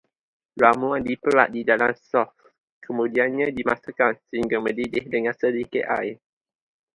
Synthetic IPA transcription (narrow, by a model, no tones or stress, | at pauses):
ɹamuandipəla̰ʔ̪̚didalamsɔf | kʰəmũdianɲãdimasakansəhiŋɡamə̃didɪhdəŋãnsədikeʔa̰j